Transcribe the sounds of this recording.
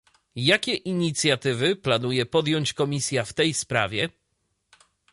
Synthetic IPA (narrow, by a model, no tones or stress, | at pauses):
jakʲɛʔiɲit̪sʲjat̪ɘvɘplanujɛpɔd̪jɔɲt͡ɕkɔmʲisʲjaft̪ɛjspɾa̰vʲjɛ